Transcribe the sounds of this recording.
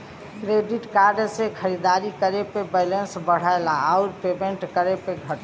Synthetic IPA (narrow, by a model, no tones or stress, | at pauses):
kɾeɖiʈkaɾɖsekʰəɾid̪aɾikəɾepebɛlensbəɽ̤aelaaʊɾpemeɳʈkəɾepeɡʱəʈ